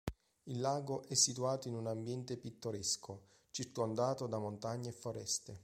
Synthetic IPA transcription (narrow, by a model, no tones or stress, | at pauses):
ilːaːɡoʔɛsːit̪uaːt̪oinunambjɛnt̪epit̪ːoɾɛsko | t͡ʃirt̪oand̪aːt̪od̪amont̪aɲːefːoɾɛ̰st̪e